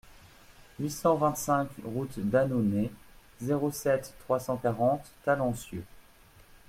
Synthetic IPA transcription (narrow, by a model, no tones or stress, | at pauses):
ɥisɑ̃vɛ̃t̪sɛ̃kʁut̪d̪anone | zeʁosɛt̪ːχwasɑ̃kaʁɑ̃t̪ːalɑ̃sjø